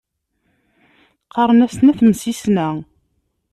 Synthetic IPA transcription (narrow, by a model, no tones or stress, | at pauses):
qːɑɾˤnæsnæθmsisnæ